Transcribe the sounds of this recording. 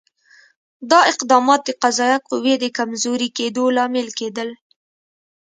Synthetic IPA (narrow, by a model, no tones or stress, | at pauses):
d̪ɑɪqd̪ɑmɑt̪̚d̪əqazɑjaquwjed̪əkamzoɾiked̪olɑmɪlked̪əl